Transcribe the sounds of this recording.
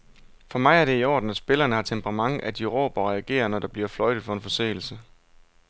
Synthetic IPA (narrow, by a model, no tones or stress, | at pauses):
fɒ̽mɑ̈ɪæɐɾ̥e̝iɒ̰ːd̥n̩æd̥sb̥e̝lɐːnəhɑ̈t͡sʰempʰəʁɑ̈mɑ̈ŋæd̥iʁo̰ːb̥ɐʁɛæɡ̥e̝̰ːɐnɒd̥ɑ̈b̥liɐflɒ̽ɪd̥ð̩ˠfɒ̽e̝nfɒ̽sḛːl̩sə